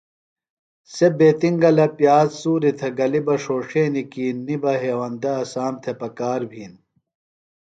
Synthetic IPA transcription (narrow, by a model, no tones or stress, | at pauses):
sebeːt̪iŋɡɐlɐpjaːzsuːɾit̪ʰeɡɐlibɐʂoːʂeːnikiːnːibɐɦeːwɐnd̪ɐːsaːmt̪ʰepɐkaːɾbʱiːn